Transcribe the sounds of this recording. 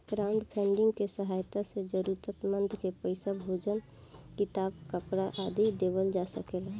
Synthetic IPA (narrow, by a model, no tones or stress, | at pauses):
ɡ̥ɾaːʊ̃ɳɖpʰɛ̃ːɳɖɪ̃ŋɡkesəɦaːjt̪ased͡ʒəɾuːɾt̪ət̪mə̃nd̪ʱkepəɪsabʱoːd͡ʒən | kɪt̪aːb̚kəpɾaʔaːd̪id̪eːʋəld͡ʒaːsəkeːla